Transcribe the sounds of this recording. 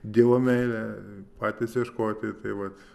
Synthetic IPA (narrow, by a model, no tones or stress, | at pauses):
d̪ʲiːʋoːmʲɛɪlʲɛpɑːt̪ʲɪsjɛʃkoːt̪ʲɪt̪ɐɪʋɐt̪